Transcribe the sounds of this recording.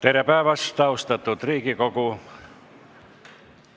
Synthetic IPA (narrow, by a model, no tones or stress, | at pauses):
t̪eræpæːʋɑst̪ɑust̪et̪ːut̪riːkikoku